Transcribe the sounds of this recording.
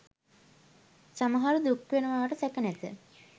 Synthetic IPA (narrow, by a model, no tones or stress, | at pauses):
saməɦaɾud̪ukʋenəʋaːʋəʈəsɛkənæt̪ə̰